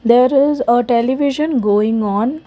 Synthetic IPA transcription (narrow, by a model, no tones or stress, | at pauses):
d̪eːɾɪzəʈɛliʋɪʒə̃nɡoːɪ̃ŋɔ̃ːn